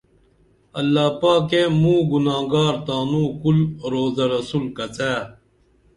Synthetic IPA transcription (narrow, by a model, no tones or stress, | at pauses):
ɐlːaːpaːkeːmũːɡunãːɡaːɾt̪aːnũːkulɾoːzɐɾɐsuːlkɐt͡seː